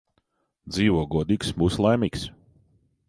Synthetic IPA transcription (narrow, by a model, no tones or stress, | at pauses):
d̪ziːʋɔɔɡɔɔd̪iːksmuslˠajmiːks